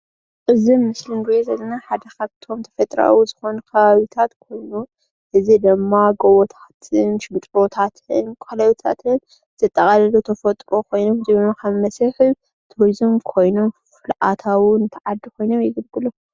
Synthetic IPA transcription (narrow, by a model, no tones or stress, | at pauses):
ɨzimːɨslɨnɡɨzezɐlːɐnaħad̪ɐkaβt̪ʰo̞mt̪ʰɐfɐt̪ʼɾa̰wuzɨxo̞nkʰɐβaβit̪ʰat̪kʰo̞jnu | ʔɨzid̪ɨmːaɡowot̪ʰḁt̪ʰɨnʃɪmt̪ʼot̪ʰat̪ʰɨnkʷʼɐlɐwit̪ʰa̰t̪ʰɨn | z̥ɨt̪ʼːɐkʼalɐlut̪ʰɐfɐt̪ʼɾo̞kʰo̞jno̞mzɨβnokʰɐmːɐsɨħɨ | t̪ʰuɾizɨmkʰo̞jno̞mfɨlʔat̪ʰawunɨt̪ʰɐʕad̪ːikʰo̞jno̞mjɪɡɨlɡɨlu